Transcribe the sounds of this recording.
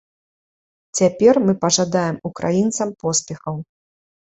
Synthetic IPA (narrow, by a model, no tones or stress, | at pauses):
t͡sʲapʲɛrmɨpɐʐad̪ajɛmukɾʔa̰jint̪sɐmpɔspʲɛxɐw